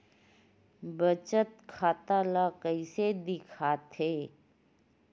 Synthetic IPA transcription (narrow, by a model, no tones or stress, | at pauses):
bət͡ʃət̪kʰaːt̪alakəɪsed̪ɪkʰaːt̪ʰeː